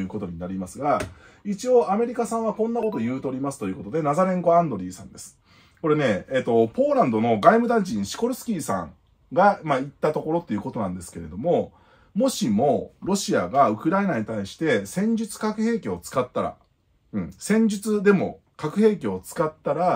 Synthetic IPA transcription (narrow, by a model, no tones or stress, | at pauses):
jɯ̟ːko̞t̪o̞ɲ̟inaɾʲimasɨɡait͡ɕio̞ʔame̞ɾʲikasãɰ̃β̞akõ̞nːako̞t̪o̞jɯ̟ːt̪o̞ɾʲimasɨ̥t̪ojɯ̟ːko̞t̪o̞d̪e̞nazaɾẽ̞ŋko̞ãnd̪o̞ɾʲiːsã̰nd̪e̞sɨ̥ | ko̞ɾe̞ne̞eːt̪ːo̞po̞ːɾãnd̪o̞no̞ɡaimɯ̟d̪ãɲt͡ɕĩɰ̃ɕi̥ko̞ɾɯ̟sɨ̥kʲiːsã̰ŋ | ɡamait̪ːat̪o̞ko̞ɾo̞t̪ːe̞iɯ̟ːko̞t̪o̞nãnd̪e̞sɨ̥ke̞ɾe̞d̪o̞mo̞ | mo̞ɕimo̞ɾo̞ɕiaɡaɯ̟kɯ̟ɾainaɲ̟it̪aiɕi̥t̪e̞sẽ̞ɲ̟d͡ʑɨt͡sɨ̥kakɯ̟he̞ːkʲeot͡sɨ̥kat̪ːaɾa̰ | ɯ̟̃ɴsẽ̞ɲ̟d͡ʑɨt͡sɨd̪e̞mo̞ | kakɯ̟he̞ːkʲeot͡sɨ̥kat̪ːaɾa